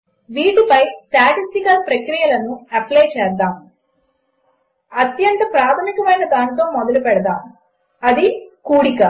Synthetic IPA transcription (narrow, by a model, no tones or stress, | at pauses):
ʋiːʈipɐjsʈaːʈisʈikɐlpɾɐkɾijɐlɐnuɐpleːt͡ʃɛːɾd̪aːm | ɐt̪jɐnt̪ɐpɾaːt̪ʰɐmikɐmɐjnɐd̪aːnit̪̬o̞ːmɔd̪ɐlupɛɽɐd̪aːm | ɐd̪ikuːɽikɐ